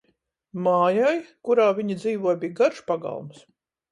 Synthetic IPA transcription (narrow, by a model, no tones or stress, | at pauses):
maːjajkuɾaːvʲiɲid̪ziːvuɔjbijɡaɾʃpaɡa̰lˠms